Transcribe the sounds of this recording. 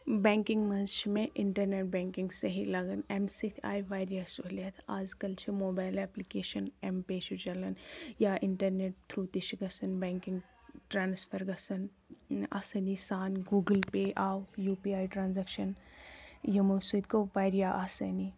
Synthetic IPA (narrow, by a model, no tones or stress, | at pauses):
bɛ̃ːŋkɪŋɡmɐzt͡ʃʰmẽʔɪɳʈɐɾneːʈ̚bɛ̃ːŋkɪŋɡsɐɦilɐɡɐnɛmsit̪ʰa̰ːjʋaːjɾijasuɦljat̪ʰaːzkɐlt͡ʃʰimoːbaːjlɛplikeːʃɐnɛmpeːʃud͡ʒɐlɐnjaːʔɪɳʈɐɾneːʈ̚t̪ʰɾut̪iʃɡɐsɐnbɛ̃ːŋkɪŋɡ | ʈɾaːnspʰɐɾɡɐsɐn | a̰ːsɐnisaːnɡuːɡəlpeːʔaːwjuːpiaːjʈɾaːnzɛːkʃɐn | jɐmɐsud̪koʋaːjɾijaʔaːsɐni